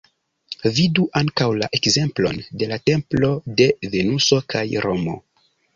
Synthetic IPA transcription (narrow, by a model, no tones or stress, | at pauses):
viduʔaŋkawlaʔe̞kze̞mplo̞̰nde̞late̞mplo̞de̞ve̞nuso̞kajɾʔo̞mo̞̰